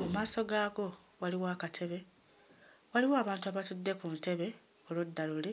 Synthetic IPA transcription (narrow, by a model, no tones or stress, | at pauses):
mumaːso̞ɡaːɡo̞ | waliwaːkatʰe̞βe̞ | waliwoaːβaːntuaβatudːe̞kumute̞βe̞ | olodːalule